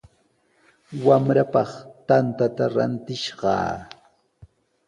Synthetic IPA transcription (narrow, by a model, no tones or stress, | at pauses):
wamɾapɑχt̪ant̪at̪aɾa̰nt̪ɪʃɢɑ̰ː